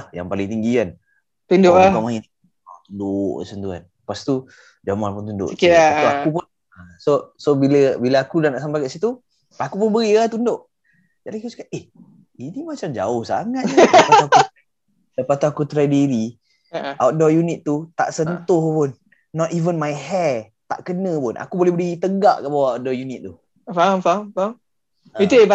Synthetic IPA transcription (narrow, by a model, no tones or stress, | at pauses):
lahja̰ŋpalɪŋt̪iŋɡian | t̪undoakamain | at̪undoʔkəsənt̪ua̰n | past̪u | d͡ʒamalpʊnt̪undo̰ʔt̪uakupʊn | asosobiləbilaakulahnaʔsampajkaʔsit̪u | akupʊnbəɣiat̪undoʔ | d͡ʒadikiuskat̪̚eh | inimat͡ʃamd͡ʒa̰ʊhsa̰ŋat̪əauaku | ləpast̪uakut̪ɾadiɾi | aawt̪̚dɔjunit̪̚ːut̪a̰ʔsənt̪ʊhpʊnː | ɔt̪ivənmajhɛ | t̪a̰ʔkənə̃pʊnʔa̰kubolɛhbəɾit̪əɡa̰ʔkabawaadɔjunit̪̚t̪u | famfamfa | it̪uea